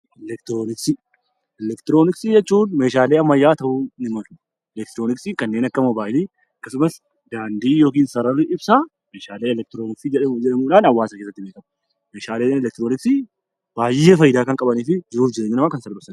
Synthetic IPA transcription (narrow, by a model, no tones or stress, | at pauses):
ʔɛlɛk̚t̪ɪɾoːnɪksɪ | ɛlɛkt̪ɪɾoːnɪksɪd͡ʒɛt͡ʃːuːnme̞ːʃaːleːɐmːɐjːaːt̪ɐʔunɪmɐlʊ̥ | ɛlɛk̚t̪ɪɾo̞ːnɪksikɐnːe̞ːnɐkːɐmɔbaːʔɪliː | ɐkːɐsʊmɐs | d̪aːnd̪iːjo̞ːk̬iːnsɐɾɐrːɪʔɪbsa | meːʃaːleːɛlɛk̚t̪ɪɾonɪksɪd͡ʒɛᶑɐmuːᶑaːnɐwːaːsɐkeːsːɐt̪ːɪbeːkɐmɐ | meːʃaːleːnɛlɛk̚t̪ɪɾoːnɪksɪ | b̥aːjeːfɐjːɪd̪aːkɐŋkʼɐbɐniːfɪd͡ʒɪɾuːfd͡ʒɪɾeːɲːɐnɐmakɐnsɐlɔsɐn